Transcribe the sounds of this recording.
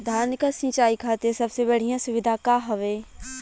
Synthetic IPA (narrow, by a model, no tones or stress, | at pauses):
d̪ʱaːɾnkasĩːt͡ʃaːikʰaːt̪eẽsɐbsebɐɽ̤ijãsʊʋɪd̪ʱakaɦɐʋeː